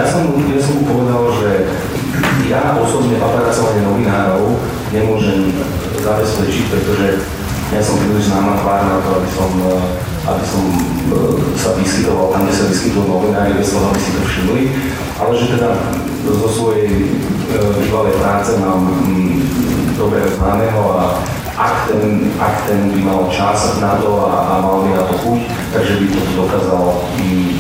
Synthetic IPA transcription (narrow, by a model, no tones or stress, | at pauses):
jasɔmjasɔmupɔʋɛd̪alʒɛ | jaʔɔsɔbɲɛʔat̪ɾasɔʋaɲɛnɔʋinaːɾɔʊ | ɲɛmʊɔʒɛm | zabɛspɛt͡ʃic̚pɾɛt̪ɔʒɛ | jasɔmpɾiːliʒznaːmat̪ʋaːɾnat̪ɔabisɔm | ʔa̰bisɔm | saʋiskit̪ɔʋalt̪amʒɛsaʋiskit̪ujɛlnɔʋinaːɾibɛsɔ̃abisit̪ɔfʃimli | ʔalɛʒɛt̪ɛd̪a | zɔsʋɔjɛj | biʋalɛjpɾaːt͡sɛmaːm | d̪ɔbɾɛznamɛɦɔa | ʔakt̪ɛnakt̪ɛnbimalt͡ʃasnat̪ɔa̰ʔamalbinat̪ɔxuc | t̪aɡʒɛbit̪ɔt̪ɔd̪ɔkaːzal | i